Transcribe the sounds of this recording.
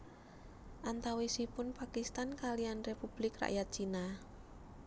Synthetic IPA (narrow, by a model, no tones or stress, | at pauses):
ʔant̪awesipʊnpakist̪ankalianrepub̥lɪkra̰ʔjat̪̚t͡ʃina